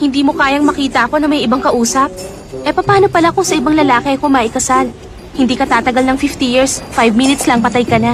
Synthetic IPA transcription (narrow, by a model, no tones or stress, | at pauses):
hɪnd̪iːmo̞kaːjɐŋmɐkiːt̪ɐʔɐko̞nɐmɐjɪbaŋkɐʔuːsɐp̚ | ʔɛpɐpaːno̞pɐlako̞sɐʔɪbaŋlɐlaːkɛɐkʊmaːʔɪkɐsal | hɪnd̪iːkɐt̪aːt̪ɐɡɐlnɐŋfift̪ijiɹsfajvminɪt̪slɐŋpɐt̪ajkɐna